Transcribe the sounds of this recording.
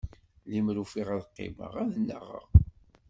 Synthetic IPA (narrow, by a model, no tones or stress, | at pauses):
limɾufiʁæðqːɪ̰mə̰ʁæðənːəʁə̰ʁ